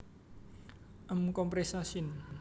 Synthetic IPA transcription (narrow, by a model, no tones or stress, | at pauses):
ʔəmkɔmpɾesasin